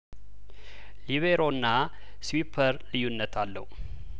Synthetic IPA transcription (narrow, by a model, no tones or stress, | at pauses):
liβeɾo̞nːa | swipʰəɾlɨjːunːət̪ʰalːə̰hu